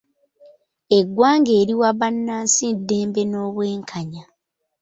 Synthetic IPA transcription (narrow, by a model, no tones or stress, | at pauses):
e̞ɡːwaːŋɡeːɾiwaβanːaːnsidːe̞ːmbe̞no̞ːβwe̞ːŋkʰaɲa